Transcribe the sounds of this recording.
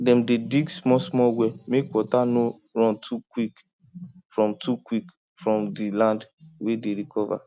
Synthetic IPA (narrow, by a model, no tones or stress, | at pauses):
dɛ̃mdediɡsmɔsmɔwɛmekwɔtano | ɾɔ̃ntʰukwik | fɹɔ̃mtukwik | fɹɔ̃mdilãndwedeɾikʰɔva̰